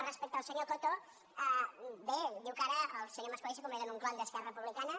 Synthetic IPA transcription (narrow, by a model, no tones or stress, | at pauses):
respek̚t̪awseɲok̪ot̪o | abed̪iwkaɾɐalseɲoɾmɐskoleʃ̬e̥komeɾɐnũŋklõnd̪ɐskɛrɐepuβlikanɐ